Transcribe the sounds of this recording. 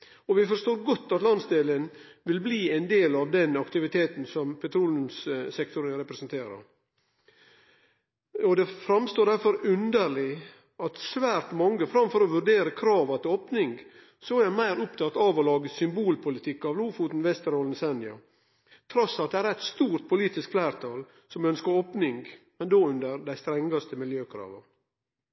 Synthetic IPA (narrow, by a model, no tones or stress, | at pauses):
ɔʋɪfɔɾʂtoːɾɡɔt̪ːɑt̪lɑnsd̪eːlənʋɪlbliːɛɪnd̪eːlɑʋd̪ɛnɑkt̪ɪʋɪt̪ʰeːt̪n̩sɔmpʰɛt̪ʰɾuːlnʉmssɛkt̪ʊɾəɾɛpɾɛsnt̪ʰeːɾɑ̰ɾ | ɔd̪ɛfɾɑmst̪oːɖæɾfɔɾʉnd̪əɾɭɪ | ɑt̪sʋæːɾt̪mɑŋːəfɾɑmfɔɾɔʋʉɾɖeːɾəkʰɾɑːʋɑt̪ʰɪloːpnɪŋɡ | sɔæmæɪɾʊpt̪ʰɑt̪ɑːʋɔlɑːɡəsʏmbuːlpʰʊlɪt̪ʰɪkːɑʋluːfuːt̪n̩ʋɛst̪əɾoːlnsɛnɪɑ̰ | t̪ʰɾɔsːɑt̪̚d̪ɛæːɾɛt̪st̪uːɾt̪̚pʰʊliːt̪ɪskflæːɾt̪ʰɑːl | sɔmœnskəɾoːpnɪŋɡ | mɛnd̪oːʉnd̪əɾd̪æɪst̪ɾɛŋɡɑst̪əmɪljøːkʰɾɑ̰ːʋɑ